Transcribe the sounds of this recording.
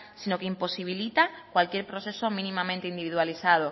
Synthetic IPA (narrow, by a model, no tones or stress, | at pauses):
sino̞keimpo̞siβ̞ilit̪akwalkje̞ɾpɾoθe̞somĩnĩmãmẽnt̪eind̪iβiðwaliθað̞o